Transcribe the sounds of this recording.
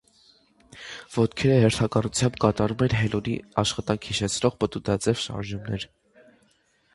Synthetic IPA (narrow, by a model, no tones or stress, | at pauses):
vɔt̪kʰɛɾəhɛɾt̪ʰɑkɑnut͡sʰjɑmbkɑt̪ɑɾumɛnɦɛluɾiɑʃχɑt̪ɑŋkʰhiʃɛt͡sʰnɔʁpət̪ud̪ɑt͡sɛvʃɑ̰ɾʒumnɛ̰ɾ